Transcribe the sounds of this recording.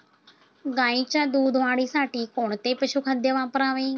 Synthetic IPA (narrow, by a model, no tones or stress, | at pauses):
ɡãːĩːt͡ʃãd̪uːd̪ʋãːɽiːsaːʈiːkoːɳt̪eːpəʃuːkʰəd̪eʋãːpəɾaːʋeː